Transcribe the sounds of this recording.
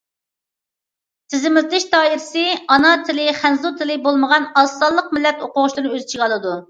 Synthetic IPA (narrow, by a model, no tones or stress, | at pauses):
t̪ʰɪzɪmɪlt̪lɪʃt̪ɑːiɾɪsɪɑnɑt̪ʰɪlɪχænzut̪ʰɪlɪbolˠməʁɑnɑsːɑlˠːəq̚mɪlːɛt̪oqʊʁʊʃlˠɨɾɨnɨøzɪt͡ʃʰiʁɑlˠɨd̪u